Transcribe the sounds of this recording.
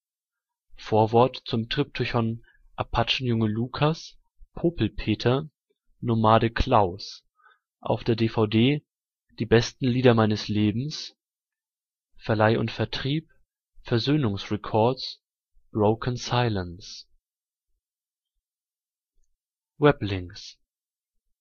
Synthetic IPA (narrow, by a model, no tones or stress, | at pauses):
foːɐvɔɐtt͡sʊmtʁ̥ip̚tʰʊçɔn | ʔapʰat͡ʃn̩jʊŋəluːkʰas | pʰoːpl̩pʰeːtʰɐ | nomaːɾəkʰl̥aʊs | ʔa̰ʊfd̥eːɐdeːfaʊdeː | d̥iːbɛstn̩liːdɐmaɪnəsleːbm̩s | fɛɐlaɪʔʊ̰ntfɛɐtʁ̥iːp̚ | fɛɐzøːnʊŋsʁɛkʰɔɐt͡s | b̥ʁoʊkʰənsaɪləns | vɛplɪŋs